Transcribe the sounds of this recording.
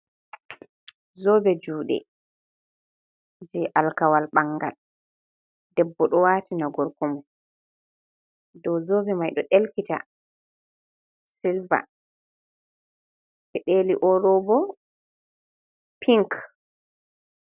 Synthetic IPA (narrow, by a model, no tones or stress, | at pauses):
zɔːbɛd͡ʒuːɗɛ̰ | d͡ʒɛʔalkawalɓaŋɡa̰l | dɛbːɔɗɔwaːtinaɡɔɾkɔmɔ | dɔwzɔːbɛmajɗɔɗelkita̰ | silva̰ | ʔɛɗeliʔɔɾɔbɔ | pʰiŋk